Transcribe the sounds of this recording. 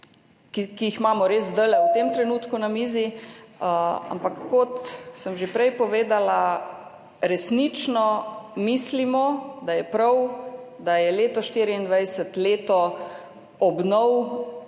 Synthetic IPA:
kikijixmaːmɔɾeːzd̪əlɛwt̪emt̪ɾɛnuːt̪kunamiːziəa̰mpakːɔt̪səmʒepɾɛjpɔʋeːd̪ala | ɾɛsnit͡ʃnɔmiːslimɔd̪ajɛpɾawd̪ajɛleːt̪ɔʃt̪iːɾiind̪ʋajsɛt̪leːt̪ɔ | ɔbnɔw

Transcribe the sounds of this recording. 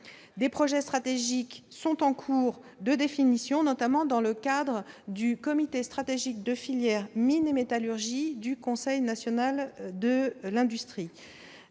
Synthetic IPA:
d̪epχɔʒɛst̪χat̪eʒiksɔ̃t̪ɑ̃kʰuːʁ | d̪əd̪efinisjɔ̃nɔt̪amɑ̃d̪ɑ̃ləkad̪ʁəd̪ykɔmit̪est̪χat̪eʒik̚d̪əfiljɛʁminemet̪alyʁʒid̪ykɔ̃sɛjnasjɔnald̪əlɛ̃d̪yst̪χi

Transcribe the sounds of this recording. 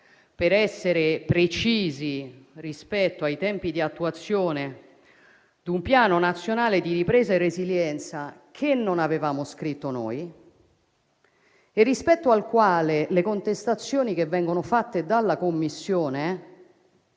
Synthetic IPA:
peɾɛsːeɾepɾet͡ʃiːzirispɛt̪ːoajt̪ɛmpid̪iat̪ːuat̪sːjoːne | d̪umpjaːnonat̪sːjonaːled̪iɾipɾɛːzaerːeziljɛnt̪sakʰenːonavevaːmoskɾit̪ːono̰ːj | erːispɛt̪ːoalkwaːlelekont̪est̪at̪sːjoːnikevːɛŋɡonofat̪ːed̪alːakomːisːjoːne

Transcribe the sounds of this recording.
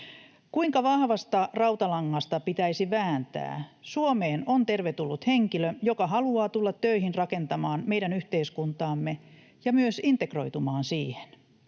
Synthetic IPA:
kuiŋkɑʋɑhʋɑst̪ɑrɑuwt̪ɑlɑŋːɑst̪ɑpit̪æisiʋæːnt̪æ̰ːsuomeːnont̪erʋet̪ulːut̪heŋkiløjokɑɦɑluɑːt̪ulːɑt̪ːøiɦinrɑke̞nt̪ɑmɑːnme̞jdænyht̪eiskunt̪ɑːmːe | jɑmyøsint̪ekro̞jt̪umɑːnsiːhe̥n

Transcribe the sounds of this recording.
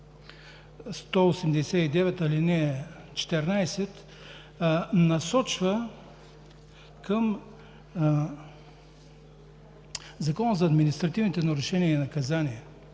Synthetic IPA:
st̪ɔosɛmd̪ɛsɛid̪ɛvɛt̪ɐlinɛ | t͡ʃɛ̥t̪ɛɾnajsɛt̪ | nɐsɔt͡ʃvə | kəm | zɐkɔnəzɐːd̪minist̪ɾɐt̪ivnit̪ɛnɐɾuʃɛniəinɐkɐzaniɛ

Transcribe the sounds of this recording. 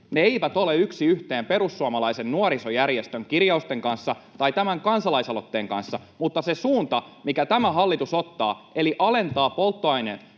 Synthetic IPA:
neeiʋæt̪o̞leyksiyht̪eːmpe̞ɾusːuɑmɑlɑisennuoɾisojærjest̪øŋkirjɑust̪eŋkɑnsːɑt̪ɑjt̪æmæŋkɑnsɑlɑisɑlot̪ːe̞ːŋkɑ̰nsːɑmut̪ːɑsesuːnt̪ɑmikæt̪æmæɦɑlːit̪usot̪ːɑ̰ːʔe̞liʔɑle̞nt̪ɑːpo̞lt̪ːoɑinḛn

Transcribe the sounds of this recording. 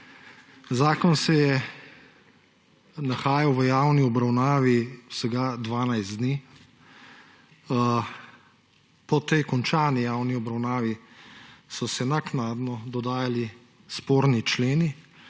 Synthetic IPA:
zaːkɔnsɛjɛ | naxaːjawʋəjaːwniɔbɾawnaːʋiwsəɡad̪ʋaːnajzd̪niː | pɔt̪ɛjkɔnt͡ʃaːnijaːwniɔbɾawnaːʋi | sɔsɛnaknaːd̪nɔd̪ɔd̪aːjali | spoːɾnit͡ʃleːni

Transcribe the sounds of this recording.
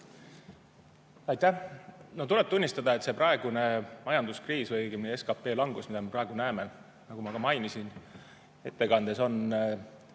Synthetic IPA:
ɑjt̪ːˑæno̞t̪ule̞b̚t̪unʲːist̪ɑd̪̥ɑet̪se̞prɑe̞ɡ̥une̞mɑjɑnd̪uskriːsvɯjɡimnee̞skɑpːe̞ːlɑŋɡ̥usmid̪̥ɑme̞pɾɑe̞ɡ̥unæeme̞ | nɑɡumɑkɑmɑjnisin | e̞t̪ːe̞kɑnd̪̥e̞so̞n

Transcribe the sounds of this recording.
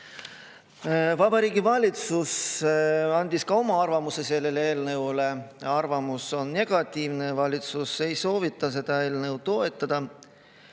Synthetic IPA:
vɑbɑɾiːɡivɑlʲit̪sus | ɑnʲd̪̥iskɑo̞mɑɑrvɑmuse̞se̞lːe̞leeːlnewle̞ɑrvɑmuso̞nne̞ɡ̥ɑt̪ʲˑːiːvne̞vɑlʲit̪suse̞jso̞ːvit̪ːˑɑs̬e̞d̪̥ɑe̞ːlne̞wt̪o̞e̞t̪ːˑɑd̪̥ɑ

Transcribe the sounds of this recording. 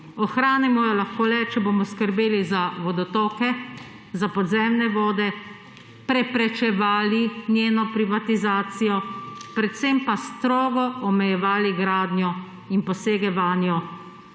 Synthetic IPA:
ɔxɾaːnɛmɔjɔlaxkoːlɛt͡ʃɛboːmɔskəɾbeːlizaʋɔd̪ɔt̪ɔːkɛ | zapɔd̪zɛmnɛʋɔːd̪ɛ | pɾɛpɾɛt͡ʃɛʋaːlinjeːnɔpɾiʋat̪izaːt̪sijɔpɾɛt̪sempast̪ɾoːɡɔɔmɛjɛʋaːliɡɾaːd̪njɔ | inpɔseːɡɛʋaːnjɔ

